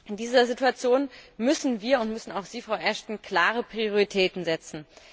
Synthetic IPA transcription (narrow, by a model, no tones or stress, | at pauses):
ʔɪndiːzɐzituat͡sjoːnmʏsn̩viːɐʊntmʏsn̩aʊxz̥iːfʁ̥aʊʔɛɐʃtn̩kl̥aːʁəpʁ̥ioʁitʰɛːtn̩zɛt͡sn̩